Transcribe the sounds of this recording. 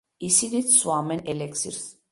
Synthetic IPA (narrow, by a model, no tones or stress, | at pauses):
isid̪it͡ssuamɛnɛlɛksḭɾs